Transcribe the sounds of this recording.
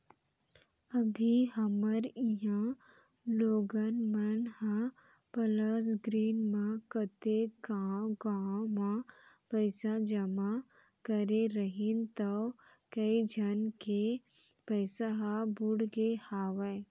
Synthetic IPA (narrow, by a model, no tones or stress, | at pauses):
ɐbʱiɦɐməɾiɦã | loːɡənmɐnha | pəlasɡɾiːnmãkət̪eɡaɡamãpəːsad͡ʒɐma | kəɾeɾəɦint̪ɐw | kɐid͡ʒʱɐnke | pəːsaɦabʊɽɡehaːʋa